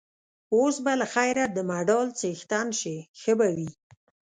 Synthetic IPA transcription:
osbalaxajɾad̪əmaɖɑlt͡sext̪anʃexəbawi

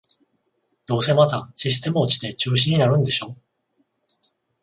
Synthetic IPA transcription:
d̪̥o̞ːse̞mat̪aɕisɨ̥t̪e̞mɯot͡ɕi̥t̪e̞t͡ɕɨːɕ̬ĩɲ̟ːinaɾɯ̟̃nd̪e̞ɕo̞ː

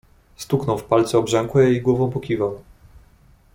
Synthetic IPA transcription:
st̪uknɔ̃w̃fpalt̪sɛɔbʐɛŋkwɛjejɡwɔvɔ̃w̃pɔkʲivaw̃

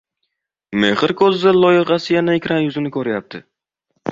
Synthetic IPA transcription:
me̞χɨɾkʰozzalˠɒjɪʁɑsɪjanaekʲɾanjʊzɪnɪkʰɵɾɪjap̚t̪ʰɪ

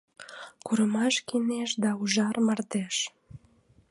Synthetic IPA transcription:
kuɾəmɑʃkineʃd̪ɑuʒɑrmɑrt̪eʃ

